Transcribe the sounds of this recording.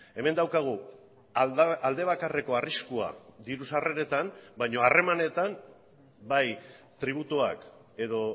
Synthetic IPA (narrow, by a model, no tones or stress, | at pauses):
e̞me̞nd̪awkaɣ̞u | ald̪e̞β̞akare̞ko̞ariskua̰d̪iɾusareɾe̞t̪ambajɲo̞are̞mane̞t̪am | baj | t̪ɾiβ̞ut̪ua̰k | e̞ðo̞